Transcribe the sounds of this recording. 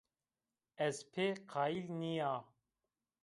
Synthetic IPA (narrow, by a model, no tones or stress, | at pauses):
ɛzpʰeːqʰaːilnijaː